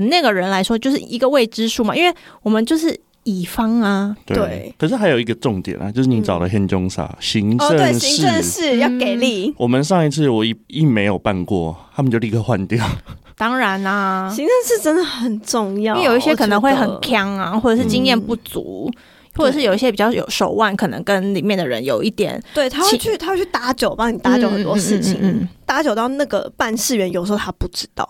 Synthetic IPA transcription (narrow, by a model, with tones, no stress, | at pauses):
na˥˩ɡə˩ɻə˧˦nla˧˥ɪʂwɔ˥t͡ɕjo˥˧ʊʂɻ̩˥˨˩ʔi˧˥ɡə˧we˥˩ɪʈ͡ʂɻ̩˥ʂu˥˩mɐ˨˩ʔi˥nwe˥˩ɪwɔ˨˩mə˨˦nt͡ɕjo˥˧ʊʂɻ̩˥˩ | i˨˩fɑ˥ŋɐ˧t̪wḛ˧we˥˩ɪkʰə˨˩ʂɻ̩˥˩xa˧˥ɪjo˨˩ʊi˧˥ɡə˧ʈ͡ʂʊ˥˩ŋt̪jɛ̰˨˩nɐ̰˨˦t͡ɕjo˥˧ʂɻ̩˥˩ni˧˥ʈ͡ʂɑ˨˩ʊlə˦ɕjɛ˥˧˥nt͡ɕo˧˥ŋsa̰˨˩˥ɕi˧˥ŋʈ͡ʂə˥˧ŋ˥˨i˧˥ɻə˥˧ŋʂɻ̩˥˨jɑ˥˨ke˨˩ɪli˥˩wɔ˨˩mə˨nʂɑ˥˧ŋi˥˧t͡sʰɹ̩˥˩wɔ˨˩i˥i˥˩me˧˥ɪjo˨˩ʊpa˥˧nkwɔ̰˥˩t̪ʰa˥mə˨nt͡ɕo˥˧˩li˧kʰə˥˧xwa˥˧nt̪jɑ˥˩ʊ | t̪ɑ˥ŋɻa˨˧˦nɐ˧ɕi˧˥ŋə˥˧nʂɻ̩˥˩ʈ͡ʂə˦nd̪ə˨xə˨˩nʈ͡ʂʊ˥˧ŋjɑ˥˨˥jo˨ʊi˥˩ɕjɛ˥kʰɤ˧˨˩nə˧˦ŋxwe˥˩ɪxə˨˩nkʰjɑ˥ŋa̰˧xwɔ˥˩ɤ˨˩ʂɻ̩˥˩t͡ɕi˥ŋjɛ˥˧npu˥˩t͡sṵ˧˥˦ | wɔ˥˩ʈ͡ʂʂɻ̩˥˩jo˨˩i˥˩ɕjɛ˥pi˨˩t͡ɕjɑ˥˩ʊjo̰˨˩ʊʂo˨˩ʊwa˥˩nkʰɤ˨˩nɤ̰˧˦ŋkə˦nli˨˩mjɛ˥˩nd̪ə˨˩ɻə̰˧˦njo˨˩ʊi˥˩t̪jɛ̰˨˩nt̪we˥˩ɪt̪ʰa˥xwt͡ɕʰy˥˩t̪ʰa˥wt͡ɕʰy˥˩t̪a˧˥t͡ɕjo˨˩ʊpɑ˥ŋni˨˩t̪a˧˥t͡ɕjo˧˦ʊxə˨˩t̪wɔ˥˧ʂɻ̩˥˧t͡ɕʰḭ˨˦ŋt̪a˧˥t͡ɕjo˨˩ʊt̪ɑ˥˧ʊna˥˩ɡə̰˩pa˥˧nʂɻ̩˥˩ɥɛ˧˥njo˨˩ʂ̩˧xo˥˧˩t̪ʰa˥pu˥˩ʈ͡ʂɻ̩˥t̪ɑ̰˥˩ʊ